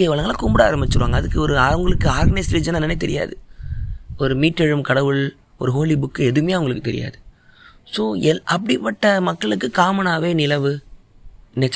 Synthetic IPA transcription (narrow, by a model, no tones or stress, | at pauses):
ɐjɐʋɐlɐŋɡɐlakʊmbɐɽa̰ːɾɐmbɪt͡ʃːɯɾɯʋaːŋɡɐðɯkːɯɔɾɯaʊŋɡɐɭɯkːɯaːɾɡnɐsɾiːd͡ʒɐnɛnːɐnɐt̪ɛɾɪ̰ja̰ːðɯ | ɔɾɯmiːʈːɛɻɯmkɐɽɐʋɯɭ | ɔ̰ɾɯɦoːlibʊkːɯɛðɯmɐjaːʊŋɡɐɭɯkːɯt̪ɛɾɪ̰ja̰ːðɯ | soːʔɐpːɐɽɪpːɐʈːɐmɐkːɐɭɯkːɯkaːmɐnaːʋeːnɪlɐʋɯ | nːɛt͡ʃː